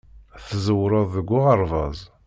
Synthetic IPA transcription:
θəzəwɾˤɑðˤəɡʷːʊʁəɾˤvɑ̰zˤ

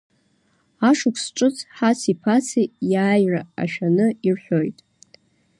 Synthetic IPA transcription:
aʂʊkʷʰsʈ͡ʂʼɨt͡sʰʼħasipʰat͡sʰijaːjraa̰ʃᶣanɨirħʷᶣojtʼ

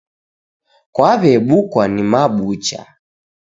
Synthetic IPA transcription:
kwaβɛɓukwanimaɓut͡ʃa̰

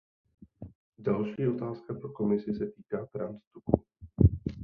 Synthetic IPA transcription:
dalʃiːo̞t̪aːskapɾoko̞mɪsɪsɛt̪iːkaːt̪ɾanst̪upṵ

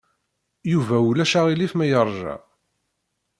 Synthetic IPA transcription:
juvælæʃæʁilifmæjəɾˤʒæ̰

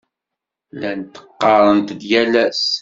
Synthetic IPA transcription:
lænt̪ə̥qːɑɾˤənt̪ðjælæs

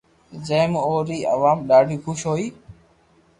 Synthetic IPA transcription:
d͡ʒə̃ːmoːɾiːʔə̰ʋaːmɗaːɖʱiːxʊʃɦoːiː

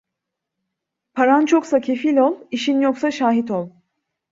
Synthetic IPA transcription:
pʰaɾant͡ʃʰo̞ksacʰe̞filʲo̞lˠiʃinjo̞ksaʃaːɦit̪o̞lˠ

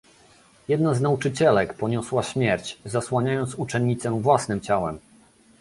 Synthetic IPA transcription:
jɛd̪naznaut͡ʂɘt͡ɕɛlɛkpɔɲɔswaɕmʲjɛɾt͡ɕzaswaɲajɔnt̪sut͡ʂɛɲːit̪sɛ̃vwasnɘmt͡ɕawɛm

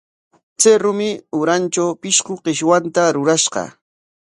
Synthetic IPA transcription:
t͡seɾʊmɪʊɾant͡ʃawpɪʃqʊqɪʃwant̪aɾʊɾaʃɢɑ̰

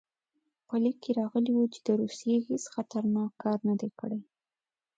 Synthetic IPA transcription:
pəlikːeɾɑɣəliwut͡ʃe̥d̪̥əɾusijehesxat̪aɾnɑkːɑɾnad̪ekəɽe

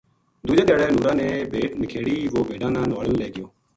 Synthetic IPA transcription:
d̪uːd͡ʒeːd̪ɛːɽɛːnuːɾãːnẽːbʱeːʈnəkʰeːɽiːʋoːbʱeːɖãːnãːnʋaːlənlɛːɡɪjoː

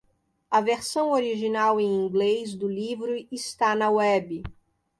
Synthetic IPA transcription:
ɐveɾsɐ̃w̃oɾiʒinawẽj̃ĩɡlezd̪ʊlivɾʊɪst̪anɐwɛbɪ

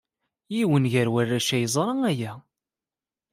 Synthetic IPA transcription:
jiwənʝəɾwærːæʃæjəzˤɾˤəŋæjæ

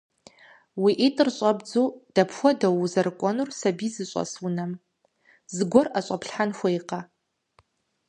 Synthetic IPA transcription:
wiːʔitʼɨrɕʼɐbd͡zuːd̥ɐpxʷɔdɐwuzɐrɨkʷʼɔnursɐbiːzɨɕʷʼɔ̰swʊnɐm | zɨɡʷɔrɐɕʼɐpɬħanxʷɔiqɐ

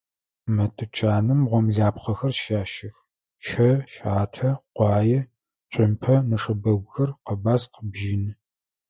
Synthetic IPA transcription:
mɐtʰʼɨt͡ʃʼaːnɨmʁʷɔmɮaːpχɐxɐrʃaːʃɪx | ʃʰɐʃaːtʰɐqʷɑːjɛ | ɕʷʼɪmpʰɐnɐʂɐbɐɡʷʊxɐrqəbaːsqəbʒiːnɨ

